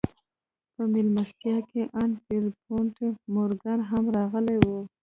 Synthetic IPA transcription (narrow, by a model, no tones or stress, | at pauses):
pəmɪlmast̪jɑkeʔanfeɾpoɳʈemoɾɡanɦamɾɑɣəlajwu